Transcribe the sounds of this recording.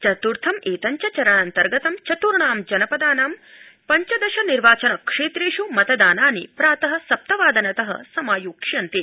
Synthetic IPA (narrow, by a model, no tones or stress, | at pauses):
t͡ʃɐt̪uɾt̪ʰɐmeːt̪ɐɲt͡ʃɐt͡ʃɐɾɐɳɐnt̪ɐɾɡɐt̪ɐmt͡ʃɐt̪uɾɳaːmd͡ʒɐnɐpɐd̪aːnaːm | pɐɲt͡ʃɐd̪ɐʃɐniɾʋaːt͡ʃɐnɐkʂeːt̪ɾeːʃumɐt̪ɐd̪aːnaːnipɾaːt̪ɐɦɐsɐp̚t̪ɐʋaːd̪ɐnɐt̪ɐɦɐ̰sɐmaːjuːkʂjɐnt̪i